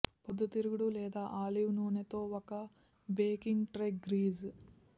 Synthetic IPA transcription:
pod̪ʱːɐt̪iɾuɡuɽuleːd̪aːʔaːliʋnuːnet̪oːokːɐ | beːkiŋɡʈɾekɡɾiːz

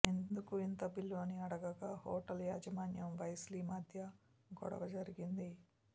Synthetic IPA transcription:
end̪ukuint̪ɐbilːoːniɐɽɐɡɐɡaːhoːʈɐljaːd͡ʒɐmaːnjɐmʋɐjɐsliːmaːd̪ʱjɐ | ɡɔ̰ɽɐ̰ʋɐd͡ʒɐɾiɡind̪i

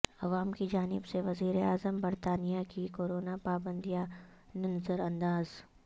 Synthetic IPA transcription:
ɐʋaːmkid͡ʒaːnɪbseʋɐziːɾeaːzəmbɐɾt̪aːnijakikoːɾoːnapaːbə̃nd̪ija | nɪnəzəɾɐ̃nd̪aːz

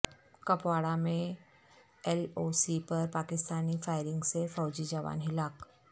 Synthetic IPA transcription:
kɐpwaːɽamẽ | ɛloːsipɐɾpaːkɪst̪aːnifaːɪɾɪ̃ŋɡsefɔːʊd͡ʒid͡ʒaʋa̰ːnɦɪlaːk

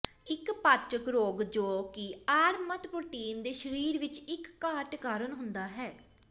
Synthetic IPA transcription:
ɪkpaːt͡ʃəkɾoːɡd͡ʒoːkɪaːɾmət̪pɾoːʈiːnd̪eːʃəɾiːɾʋɪt͡ʃɪkːaːʈkaːɾənɦʊnd̪aːɦɛː

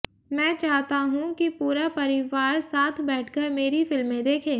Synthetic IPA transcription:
mɛ̃ːt͡ʃaːɦt̪aɦũkipuːɾapɐɾɪʋaːɾsaːt̪ʰbɛːʈʰkəɾmeːɾifɪlmːẽd̪eːkʰẽː

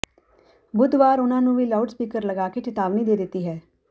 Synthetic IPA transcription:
bʊd̪ʋaːɾʊnãːnũːʋiːlaʊɖspiːkəɾləɡaːkeʈɪt̪aːʋniːd̪eːd̪ɪt̪ːiːɦɛː

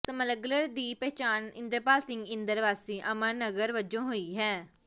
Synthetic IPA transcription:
səmələɡləɾd̪iːpɛːt͡ʃaːnɪ̃nd̪əɾpaːlsɪ̃ŋɡɪ̃nd̪əɾʋaːsiːʔəməɾnəɡəɾʋəd͡ʒõːɦoːiːɦɛː

